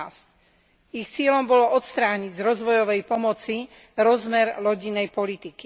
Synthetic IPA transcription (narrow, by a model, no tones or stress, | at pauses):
sc | ixt͡sɪɛlɔmbɔlɔɔt̪st̪ɾaːɲiɟzɾɔzʋɔjɔʋɛjpɔmɔt͡si | ɾɔzmɛɾlɔɟinːɛjpɔlit̪iki